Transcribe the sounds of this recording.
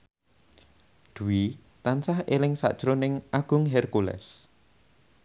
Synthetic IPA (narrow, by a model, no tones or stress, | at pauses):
d̪̥ṳwi | t̪ansahelɪŋsa̰ʔd̥ʒ̥ɾonɪŋʔaɡ̥ʊ̤ŋɦɛrkulɛ̰s